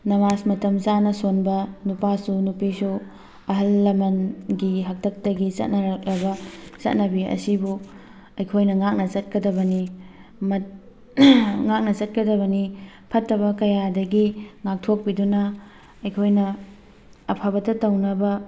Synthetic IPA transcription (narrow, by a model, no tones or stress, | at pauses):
nɐmasmɐtɐmt͡ʃanɐsonbɐnupasunupisu | ɐɦɐlːɐmɐnɡiɦɐk̚tʰɐk̚tɐɡit͡ʃɐ̰t̚nɐɾɐk̚lɐbɐt͡ʃɐ̰t̚nɐbiɐ̰sibu | ɐjkʰojnɐŋak̚nɐt͡ʃɐt̚kɐdɐbɐni | mɐ | ŋak̚nɐt͡ʃɐt̚kɐdɐbɐni | pʰɐtːɐβɐkɐjadɐɡiŋak̚tʰok̚pidunɐ | ɐjkʰojnɐː | pʰɐbɐtɐtɐwnɐbɐ